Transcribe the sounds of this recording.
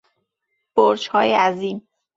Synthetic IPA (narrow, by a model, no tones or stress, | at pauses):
b̥oɾt͡ʃhɒːjeæziːm